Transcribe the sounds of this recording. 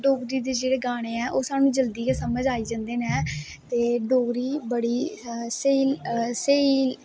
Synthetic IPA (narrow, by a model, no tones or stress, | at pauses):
ɖoːɡɾiːd̪eːd͡ʒeːɽeːɡaːɽ̃eːɛːʔoːsaːnũːd͡ʒəld̪iːkasəməd͡ʒaːiːd͡ʒãːnd̪eːnɛː | t̪eːɖoːɡɾiːbəɽiːsəiːseiː